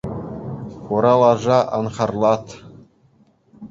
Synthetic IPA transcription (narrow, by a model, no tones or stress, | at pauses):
χuɾɑlˠɑʐɑʔɑnχɑrlˠɑt̪